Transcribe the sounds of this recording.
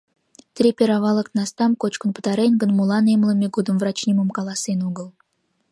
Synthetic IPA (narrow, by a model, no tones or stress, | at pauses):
t̪ʲɾʲepʲeɾɑvɑlˠə̆kt̪nɑst̪ɑmkot͡ɕkə̆npə̥̆t̪ɑɾenʲɡə̆nmulˠɑnemlˠə̆mʲeɡud̪əmvrɑt͡ɕnʲiməmkɑlˠɑsenuɡə̆lˠ